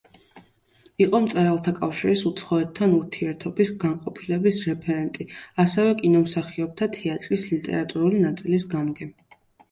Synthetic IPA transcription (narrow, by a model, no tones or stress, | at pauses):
iqʼɔmt̪sʼɛɾalˠt̪ʰakʼafʃiɾisut̪sʰχɔɛt̪ʰːanuɾt̪ʰiɛɾt̪ʰɔbisɡaɴqʼɔpʰilɛbisɾɛpʰɛɾɛnt̪ʼiasɛvɛkʼinɔmsaχiɔp̚t̪ʰat̪ʰɛat̪ʼɾislit̪ʼɛ̰ɾat̪ʼuɾulinat̪sʼilisɡamɡɛ